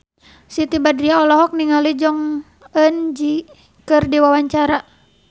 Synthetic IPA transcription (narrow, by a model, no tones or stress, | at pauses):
sit̪ibadɾiaɔlɔɦɔk̚niŋalid͡ʒɔŋ | ənd͡ʒi | kɨrdiwawaɲt͡ʃaɾa